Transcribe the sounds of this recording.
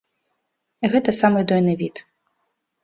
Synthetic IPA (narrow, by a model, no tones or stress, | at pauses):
ɣɛt̪ɐsamɨd̪ɔjnɨvʲit̪